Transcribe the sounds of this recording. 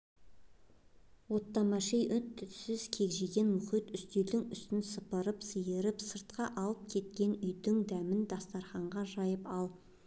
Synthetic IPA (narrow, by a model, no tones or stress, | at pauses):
wo̞t̪ːɑmɑʃejʔʏt̪ʰːʏt̪sɪzkʲʰe̞kʒeɡʲe̞nmʊχijt̪ʏst̪eld̪ɪŋʏst̪ɪnsəpəɾəpsəjəɾɪpsəɾt̪qɑʔɑlˠəp̚kʲʰe̞t̪̚kʲe̞nʏjd̪ɪŋd̪æmɪnd̪ɑst̪ɑɾχɑɴʁɑʒɑjəpɑlˠ